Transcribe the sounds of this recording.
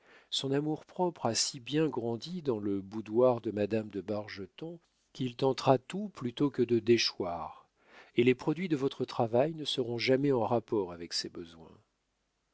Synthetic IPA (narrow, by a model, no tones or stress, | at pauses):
sɔ̃namuʁpχɔpχasibjɛ̃ɡʁɑ̃d̪id̪ɑ̃ləbud̪waʁd̪əmad̪amd̪əbaʁʒət̪ɔ̃ | kʲilt̪ɑ̃t̪ʁat̪uplyt̪okəd̪əd̪eʃwaːʁ | elepχɔd̪ɥid̪əvɔt̪χət̪χavajnəsəʁɔ̃ʒamɛɑ̃ʁapɔʁavɛksebəzwɛ̰̃